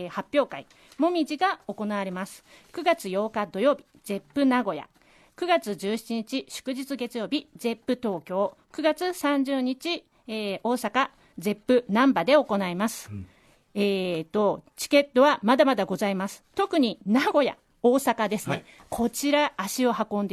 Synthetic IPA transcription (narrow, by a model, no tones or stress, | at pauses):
hapʲːjo̞ːkai | mo̞mʲiʑiɡao̞ko̞naβaɾe̞masɨ̥kɯ̟ɡat͡sɨjo̞ːkad̪o̞jo̞ːbʲi | ze̞pːɯ̟naɡo̞ja̰ | kɯ̟ɡat͡sɨʑɨːɕi̥t͡ɕiɲ̟it͡ɕiɕɨ̥kɯ̟ʑit͡sɨɡe̞t͡sɨjo̞ːbʲize̞pːɯ̟t̪o̞ːkʲo̞ːkɯ̟ɡat͡sɨsãɲ̟d͡ʑɨːɲ̟it͡ɕi | eːo̞ːsaka | ze̞pːɯ̟nãmbad̪e̞o̞ko̞naimasɨ̥ | eːt̪ːo̞t͡ɕi̥ke̞t̪ːo̞βamad̪amad̪aɡo̞zaimasɨ̥t̪o̞kɯ̟ɲ̟inaɡo̞ja̰ | oːsakad̪e̞sɨne | kʰo̞t͡ɕiɾaːɕio̞hakõ̞nd̪